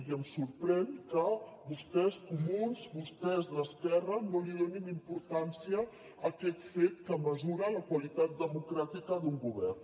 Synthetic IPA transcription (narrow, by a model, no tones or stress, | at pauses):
iəmsuɾpɾɛnkəβust̪ɛskumunzβust̪ɛzðəskɛrənoliðoninimpuɾt̪ansiəː | kɛt̪fet̪kəməzuɾələkwəlit̪at̪̚d̪əmukɾat̪ikəðuŋɡuβɛrn